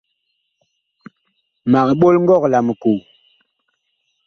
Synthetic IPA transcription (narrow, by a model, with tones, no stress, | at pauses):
ma˨kɓo˦lŋɡɔ˦˨kla˨m˨ku˨